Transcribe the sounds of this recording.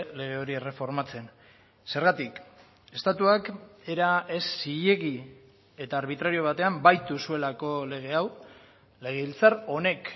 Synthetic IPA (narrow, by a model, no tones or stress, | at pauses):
le̞ɣ̞e̞o̞ɾie̞re̞fo̞ɾmat͡se̞n | se̞ɾɣat̪ik | e̞st̪at̪uake̞ɾae̞sːije̞ɣi | e̞t̪aːɾβit̪ɾaɾio̞β̞at̪e̞ambajt̪usue̞lako̞le̞ɣ̞e̞aw | le̞ɣ̞eβilt͡saɾo̞ne̞k